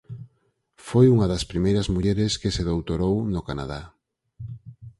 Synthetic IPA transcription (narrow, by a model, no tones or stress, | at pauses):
fojuŋɐðɐspɾimejɾɐzmuʎeɾɪskɪseðowt̪oɾownʊkana̰ða